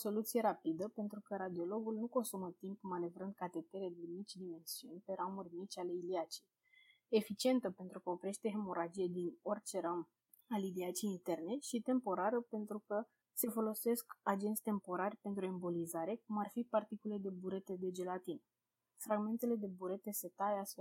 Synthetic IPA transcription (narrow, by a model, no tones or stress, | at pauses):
so̞lut̪sije̞ɾapid̪əpe̞nt̪ɾukəɾad̪io̞lo̞ɡulnuko̞nsumət̪impmane̞vɾɨnd̪̚kat̪e̞t̪eɾed̪emit͡ʃʲd̪ime̞nsiunʲpe̞ɾamurʲmit͡ʃʲale̞iliat͡ʃi̥j | efit͡ʃie̞nt̪əpe̞nt̪ɾukəopɾʲe̞ʃt̪e̞ɦemo̞ɾad͡ʒijed̪ino̞rt͡ʃeɾam | aliliat͡ʃijint̪e̞rne̞ʃit̪e̞mpo̞ɾaɾəpe̞nt̪ɾukə | se̞fo̞lo̞se̞skad͡ʒent̪sʲt̪e̞mpo̞ɾarʲpe̞nt̪ɾue̞mbolizaɾe̞kumarfipart̪ikule̞d̪e̞buɾe̞t̪e̞d̪e̞d͡ʒe̞lat̪in | fɾaɡme̞nt̪e̞le̞d̪e̞buɾe̞t̪e̞se̞t̪aeasfe